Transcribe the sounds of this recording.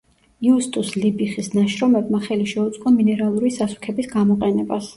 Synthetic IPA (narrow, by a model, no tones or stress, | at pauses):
iust̪ʼuslibiχisnaʃɾɔmɛbmaχɛliʃɛut̪sʼqʼɔminɛɾalˠuɾisasu̥kʰɛbisɡamɔqʼɛnɛbas